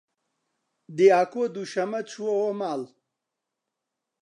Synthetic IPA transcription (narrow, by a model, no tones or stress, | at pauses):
d̪iaːkod̪uɕɐmɐt͡ɕʰuwoomaːl